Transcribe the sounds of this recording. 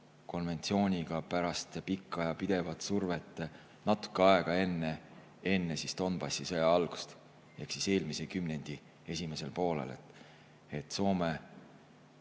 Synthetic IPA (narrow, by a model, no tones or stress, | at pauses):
ko̞nve̞nt̪sio̞ːnʲiɡ̥ɑpæɾɑst̪pikːˑɑjɑpid̪̥e̞vɑt̪ˑsurve̞t̪ˑː | nɑt̪ːˑu̥kːˑeɑeɡ̥ɑe̞nːe | e̞nːesist̪o̞nb̥ɑsːisɤjɑɑlɡ̥u̥st̪ | e̞hksise̞ːlmise̞kymne̞nʲd̪̥i | e̞sʲime̞se̞lpo̞ːlḛle̞̰t̪ːˑ | e̞t̪ːˑso̞ːme